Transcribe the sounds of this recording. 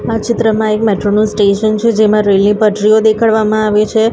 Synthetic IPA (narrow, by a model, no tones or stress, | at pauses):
at͡ʃɪt̪ɾəmãekmɛʈɾonũsʈeʃənt͡ʃʰed͡ʒemãɾelnipəʈɾiod̪ekʰaɭʋamãaʋet͡ʃʰe